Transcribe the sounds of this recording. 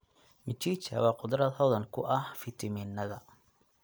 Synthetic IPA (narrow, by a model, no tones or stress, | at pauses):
mɪt͡ʃiːt͡ʃɐ̰wɑːqʊd̪rɐd̪hɔðɐnkʰʊʔɐhfɪt̪ʰɐmiːnːɐðɐ